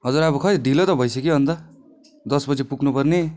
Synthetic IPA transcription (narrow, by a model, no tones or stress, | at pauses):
ɦʌd͡zuɾabʌkʰʌiɖʱilot̪ʌbʱʌjsʌkiɦʌnt̪ʌ | d̪ʌsbʌd͡zipuknupʌrni